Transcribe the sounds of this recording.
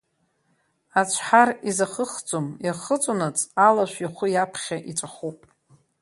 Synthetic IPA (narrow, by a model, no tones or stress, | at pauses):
at͡ʃʷʰħarizaχəχd͡zʼomjaχət͡sʷʼonat͡sʼalaʃʷjaχʷʊjapʰχʲaʔit͡ʃʷʼaχupʼ